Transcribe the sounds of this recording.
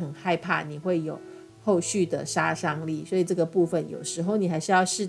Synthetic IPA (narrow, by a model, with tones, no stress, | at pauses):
xə˨˩nxa˥˧ɪpʰa̰˥˩ni˨˩xwe˥˩ɪjo˨˩˦ʊ | xo˥˧ʊɕy˥˩d̪ə̰˩ʂa˥ʂɑ˥ŋli˥˩swɔ˧˥i˨˩ʈ͡ʂɤ˥˩ɡə˩pu˥˩fə˨˩njo̰˨˩ʊʂɻ̩˧˥xo˥˩ʊni˨˩xa˧˥ɪʂɻ̩˥jɑ˥˧ʊʂɻ̩˥˧